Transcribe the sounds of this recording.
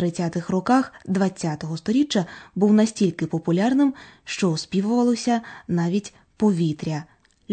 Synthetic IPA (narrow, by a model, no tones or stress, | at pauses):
ɾɪt͡sʲat̪ɪxrɔkaxd̪ʋɐt͡sʲːat̪ɔɦɔst̪ɔɾʲit͡ʃːɐbuwnɐsʲtʲilʲkɪpɔpʊlʲarnɪmʃt͡ʃɔʊspʲiʋʊʋɐlˠɔsʲɐnɑʋʲitʲ | pɔʋʲit̪ɾʲɐ